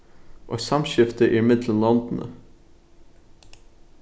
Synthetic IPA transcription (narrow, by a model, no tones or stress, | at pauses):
ʔo̰ːsɑmʃɪft̪əʔimɪd̪ləmlɑnd̪n̩ʔə̰